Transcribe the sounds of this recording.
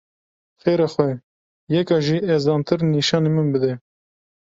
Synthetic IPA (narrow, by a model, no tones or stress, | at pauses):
xeːɾɑːxwɛ | jɛkɑːʒiːɛzɑːnt̪ʰɨɾniʃɑːnemɨnbɨd̪ɛ